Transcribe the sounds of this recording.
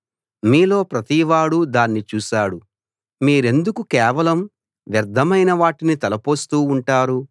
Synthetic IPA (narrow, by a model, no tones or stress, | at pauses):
miːlo̞ːpɾɐt̪iʋaːɽud̪aːnːit͡ʃuːʃaːɽu | miːɾe̞nd̪ukukɛːʋɐlɐm | ʋjɐɾd̪ʱːɐmɐjnɐʋaːʈinit̪ɛlɐpoːst̪uːɳʈaːɾu